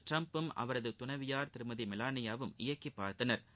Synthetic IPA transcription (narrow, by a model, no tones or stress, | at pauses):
ʈɾɐmpɯmɐ̰ʋɐɾɐðɯt̪ʊnɐɪʋɪjaːɾt̪ɪɾɯmɐðimɪlaːnɪjaːʋɯmɪjɐkːipːaːɾt̪ɐnɐɾ